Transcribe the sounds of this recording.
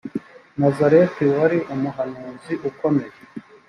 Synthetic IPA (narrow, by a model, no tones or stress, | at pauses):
nazaɾetiwaɾiʔumuɦanuːnziʔuko̞me̞je